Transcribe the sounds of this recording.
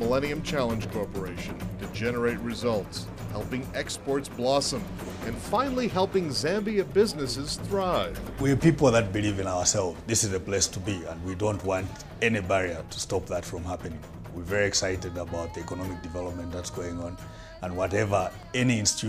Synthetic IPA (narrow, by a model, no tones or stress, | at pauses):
məlɛñiɨ̃mt͡ʃʰælˠə̃nʒ̥kʰɔɹpə˞eɪʃɨ̃ntʰɨd͡ʒɛnə˞eɪt̚ɹɨzʌlˠts | hɛlˠpɪ̃ŋɛkspɔɹtsb̥lɔsə̃m | ɨ̃nfãɪ̃nl̩ˠiɦɛlˠpɪ̃ŋzæ̃mbiɨbɪznɨsɨz̥θɹaɪv̥wipipl̩ˠðɨt̚bilivɨ̃naʊə˞sɛlˠvzðɪsɨzəpl̥eɪstʰubiə̃nwidõʊ̃ntwɑ̃nt | ɛnibɛɹiə˞tʰə̥stɔp̚ðətfɹɔ̃mhapɨnɪ̃ŋ | wivɛɹiɛksaɪɾɨdəbaʊt̪̚ðiɛkənɔmɪk̚d̥ɨvɛlˠəp̚mɨ̃nðətsɡ̥oɪ̃ŋə̃n | ə̃nwɔɾɛvə˞ | ɛniɪ̃nsttʰu